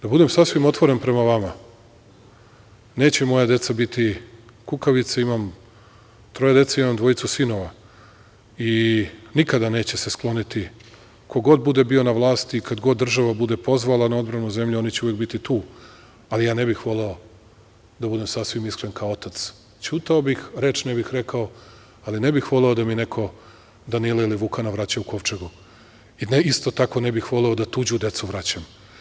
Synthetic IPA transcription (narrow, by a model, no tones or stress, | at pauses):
d̪abud̪e̞msasʋimo̞t̪ʋo̞ɾe̞npɾe̞maʋama | ne̞ːt͡ɕe̞mo̞jad̪e̞t̪sabit̪i | kukaʋit̪saimam | t̪ɾo̞jed̪e̞t̪saimamd̪ʋo̞it̪susino̞ʋa | inikad̪ane̞ːt͡ɕe̞sesklˠo̞nit̪i | kʰo̞ɡo̞d̪̚bud̪e̞bio̞naʋlˠaːst̪iːkad̪ɡo̞d̪ːr̩ʒaʋabud̪e̞po̞zʋalanao̞d̪bɾanuze̞mʎuo̞nit͡ɕeujeɡ̚bit̪it̪uː | alijaːne̞bixʋo̞le̞o̞ | d̪abud̪e̞msasʋimiskɾenkaoot̪at̪s | t͡ʃut̪aobixɾe̞ːt͡ʃnebixɾekao̞ | alinebixʋo̞le̞o̞d̪aminekʰo̞ | d̪anilailiʋukanaʋɾat͡ɕauko̞ʋt͡ʃeɡu | inist̪o̞t̪ako̞nebixʋo̞le̞o̞d̪at̪uːd͡ʑud̪e̞t̪suʋɾat͡ɕam